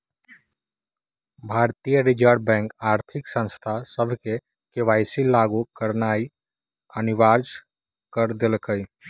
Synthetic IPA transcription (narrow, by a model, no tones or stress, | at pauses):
bʱaːɾt̪ijəɾɪd͡ʒəɾɖbɛ̃ːŋkaːɾt̪ʰɪksə̃nst̪ʰasəbʱke | keʋaːɪsilːaːɡukəɾnaːi | ənɪʋaːɾd͡ʒ | kəɾd̪elkəj